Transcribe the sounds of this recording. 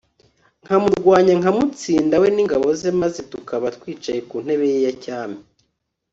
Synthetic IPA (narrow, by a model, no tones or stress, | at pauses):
ŋ̥hamuɾɾɡwaːɲaŋamut͡siːndawe̞niŋɡaβo̞zemazetukaβatwiːt͡ʃaje̞kun̥he̞βe̞jejacaːmi